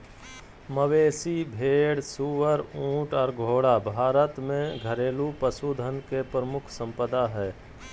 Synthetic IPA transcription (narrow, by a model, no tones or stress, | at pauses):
məʋeːsibʱeːɽsuːʋəɾũːʈɔːɾɡʱoːɽabʱaːɾət̪mẽɡʱəɾeːlupəsud̪ʱənkepɾəmʊkʰsə̃mpəd̪aɦɛː